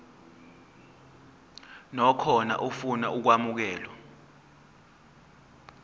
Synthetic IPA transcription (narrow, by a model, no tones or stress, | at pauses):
nɔkʰɔna̰ʔufunaʔuk̬wamuk̬ɛːlɔ